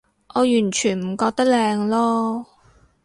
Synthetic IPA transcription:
ʔɔː˨˧jyː˨˩nt͡ʃʰyː˨˩nm̩˨˩kɔː˧k̚t̪ɐ˥k̚lɛː˧ŋlɔː˥

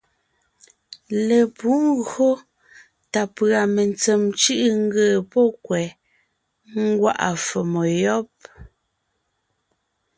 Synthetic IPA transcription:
le˨pu˨˦ŋ˦ɣo˦ | ta˨pɰa˨me˨nt͡se˨mt͡ʃɯ˦ʔŋ̩˦ɡəː˨pɔ˦kwɛ˨ | ŋ˦ɡwa̰˦ʔa̰˨fɔ˨mo˨jɔ˦p̚

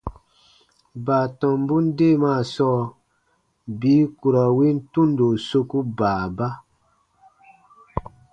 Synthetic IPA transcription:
baː˨tɔ̃˨m˦bu˦n˦de˦˨maː˦˨sɔː˦ | biː˨˦ku˨ɾa˨wi˦n̩˦tũ˦ndo˨so˧ku˦baː˨ba˦

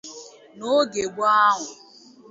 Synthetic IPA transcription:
no˦ɡe˨ɡʷa˦ɦʊ˨

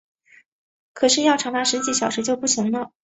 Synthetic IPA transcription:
kʰɤ˨˩ʂɻ̩˥˧jɑ˥˩ʊʈ͡ʂʰɑ˨˧˥ŋt̪a˥˩ʂɻ̩˧˥t͡ɕi˧˥˩ɕjɑ˨˩ʊʂɻ̩˧˥t͡ɕjo˥˧ʊpu˥˩ɕi˧˥ŋlə˧

